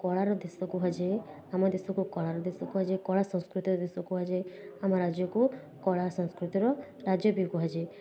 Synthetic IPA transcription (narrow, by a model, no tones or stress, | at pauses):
kɔɭaɾɔd̪esɔkuɦad͡ʒe | amɔd̪esɔkukɔɭaɾɔd̪esɔkuɦad͡ʒekɔɭasɔ̃ŋ̃skɾut̪iɾɔd̪esɔkuɦad͡ʒeamaɾad͡ʒjɔku | kɔɭasɔ̃ŋskɾut̪iɾɔ | ɾad͡ʒjɔbikuɦad͡ʒe